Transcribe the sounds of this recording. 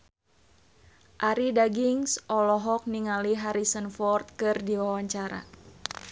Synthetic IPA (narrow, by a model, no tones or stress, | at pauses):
ʔaɾidaɡiŋsɔlɔɦɔk̚niŋaliɦaɾisənfɔrt̪̚kɨrdiwawaɲt͡ʃaɾa̰